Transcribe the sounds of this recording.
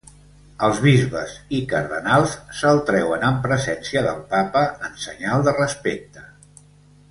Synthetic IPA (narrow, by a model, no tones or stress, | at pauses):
əlˠzβizβə̰zikəɾðənalˠsːəlˠt̪ɾɛwənəmpɾəzɛnsiəðəlˠpapəːnsəɲalˠd̪ərəspek̚t̪ə̥